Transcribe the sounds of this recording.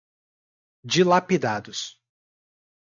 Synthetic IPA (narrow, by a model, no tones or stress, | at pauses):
d͡ʒɪlapid̪ad̪ʊs